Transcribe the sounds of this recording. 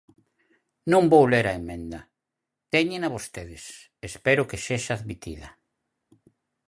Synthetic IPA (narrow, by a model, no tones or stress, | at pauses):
nõmbowleɾaemẽnd̪ɐ | t̪ɛɲẽnaβost̪eðɪs | espɛɾʊkeseʃaːðmit̪ḭðɐ